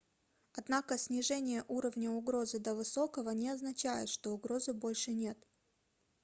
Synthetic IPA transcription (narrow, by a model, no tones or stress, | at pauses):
ɐd̪nakəsʲnʲɪʐɛnʲɪjəʔuɾəvnʲəʊɡɾo̞zɨd̪əvɨso̞kəvənʲɪɐznɐt͡ɕæjɪ̰t̪ʂt̪o̞ʊɡɾo̞zɨbo̞lʲʂɨnʲe̞t̪